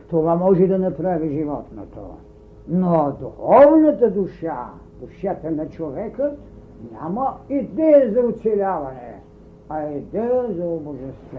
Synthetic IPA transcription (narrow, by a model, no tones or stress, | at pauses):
t̪ovamɔʒɛd̪ɐnɐpɾaviʒivɔt̪no̰t̪o̰ | nod̪uxɔvnɐt̪əd̪uʃa | d̪uʃat̪ənɐt͡ʃovɛkət̪ | ɲʲa̰mɐid̪ɛjəzɐʊt̪sɛlʲavɐnɛ̰ | ɐid̪ɛjəzɐoboʒɛst̪v